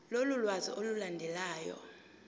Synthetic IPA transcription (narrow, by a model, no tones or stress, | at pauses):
lolulwaziʔolulandʱɛlaːjɔ̰